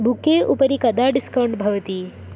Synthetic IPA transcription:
bukeːʔupɐɾikɐd̪aːɖiskɐwɳʈbʱɐʋɐt̪i

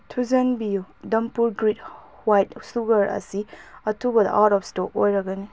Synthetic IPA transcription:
tʰuzɐnbijudɐmpuɾɡɾit | wajt̚suɡɐɾɐ̰siɐtʰubɐd̪̰ʔatɔfstokojɾɐɡani

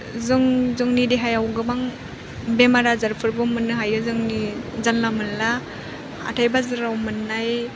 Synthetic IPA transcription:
zɯŋzɯŋnideɦajawɡɯmaŋ | bemaɾazaɾpʰɯɾbɯmɯnːɯɦajɯzɯŋnizanlamɯnla | a̰tʰajbazɯɾawmɯnːaj

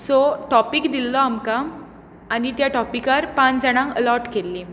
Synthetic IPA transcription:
sɔʈɔpikd̪ilːɔamkam | anit̪jaʈɔpikaɾpãnd͡zəɽ̃ãŋkə̰lɔɾʈkelːi

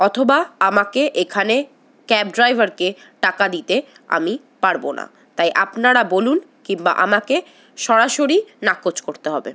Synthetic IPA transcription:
ɔt̪ʰobaamakeʔekʰane | kɛp̚ɖɾajbʱaɾke | ʈakad̪it̪e | a̰mi | paɾbona̰ | t̪ajʔapnaɾabolunkimba̰ʔamake | ʃɔɾaʃoɾinakot͡ɕkoɾt̪eɦɔbḛ

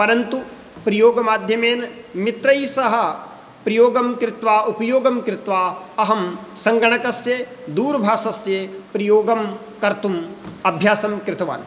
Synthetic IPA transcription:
pɐɾɐnt̪u | pɾɐjoːɡɐmaːd̪ʱjɐmeːn | mit̪ɾɐjsɐɦɐ̆ | pɾɐjoːɡɐmkɾɪt̪ʋaːupɐjoːɡɐmkɾɪt̪ʋaːɐɦɐmsɐŋɡɐɳ̃ɐkɐsjed̪uːɾbʱaːsɐsjepɾɐjoːɡɐm | kɐɾt̪umɐbʱjaːsɐmkɾɪt̪ʰɐʋa̰ːn

